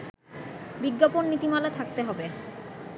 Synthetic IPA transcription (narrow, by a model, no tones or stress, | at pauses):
biɡːaponːit̪imalat̪ʰak̚t̪eɦɔbe